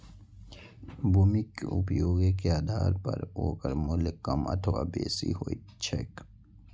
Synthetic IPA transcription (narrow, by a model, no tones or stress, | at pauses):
bumikupjoːɡkeaːd̪ʱaːɾpɐɾoːkəɾmʊlkːɐmɐ̰t̪ʰʋa̰beːsḭɦoːit͡ʃʰek